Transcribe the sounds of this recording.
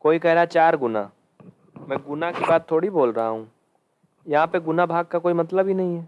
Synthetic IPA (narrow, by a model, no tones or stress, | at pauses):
koːikɛɦɾaɛt͡ʃaːɾɡʊna̰ | mɛ̃ːɡʊnakibaːd̪̚t̪ʰːoːɽiboːlɾɐɦaɦũː | jɐɦãpeɡʊnabʱaːɡ̚kakoːimɐt̪ləbʱinɐɦĩɦɛː